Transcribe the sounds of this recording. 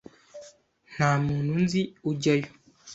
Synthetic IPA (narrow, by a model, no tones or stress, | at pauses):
n̥aːmuːnunziuɟajo